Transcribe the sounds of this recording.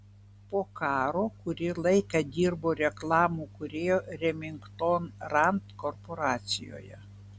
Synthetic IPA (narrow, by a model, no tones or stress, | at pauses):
poːkɑːɾoːkʊɾʲɪlˠɐɪkɐd̪ʲiːɾboːɾʲɛklˠɑːmuːkʊɾʲeːjoːɾʲɛmʲɪŋkt̪oːnɾɐnt̪kɔɾpɔɾɑːt̪sʲɪjo̰ːjɛ̰